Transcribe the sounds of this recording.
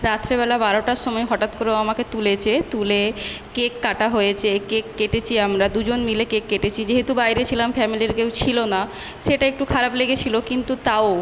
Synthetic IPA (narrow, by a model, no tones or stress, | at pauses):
ɾat̪ʰːɾebɛlabaɾoʈaɾʃɔmɔeɦɔʈat̪koɾeoamaket̪ulet͡ɕʰet̪ulekekːaʈaɦojet͡ɕʰekekːeʈet͡ɕʰiamɾad̪ud͡ʑonmilekekːeʈet͡ɕʰid͡ʑeɦet̪ubajɾet͡ɕʰilamfɛmiliɾkewt͡ɕʰilona | ʃeʈaek̚ʈukʰaɾapleɡet͡ɕʰilokint̪ut̪ao